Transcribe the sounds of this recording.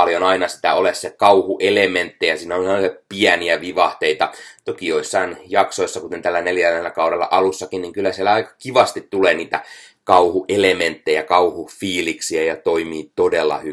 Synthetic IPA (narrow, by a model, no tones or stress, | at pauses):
ɑljonɑinɑsi̥t̪æolessekɑuhuʔelement̪ːejɑsiːnæonɑepiæniæʋiʋɑht̪eit̪ɑt̪okioisːɑinjɑksoisːɑkut̪ent̪ælːæneljælːelːækɑuɾelːɑ̰ʔɑlusːɑkinniŋkylːæsielæɑikɑ̥kiʋɑst̪it̪tuleːniːt̪ækɑuhuʔelement̪ːejɑkɑuhufiːliksiæjɑt̪oimiːt̪odelːɑ̰hy